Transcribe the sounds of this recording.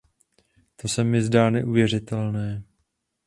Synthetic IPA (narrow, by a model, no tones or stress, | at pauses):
t̪o̞sɛmɪzdaːnɛʔuvjɛr̝ɪt̪ɛlnɛː